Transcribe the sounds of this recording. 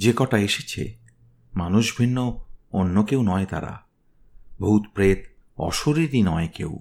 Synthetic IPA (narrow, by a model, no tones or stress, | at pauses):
d͡ʑekɔʈaeʃet͡ɕʰḛ | manuʃbʱinːoonːokewnɔet̪a̰ɾa̰ | bʱut̪pɾet̪ | ɔ̰ʃoɾiɾinɔekḛw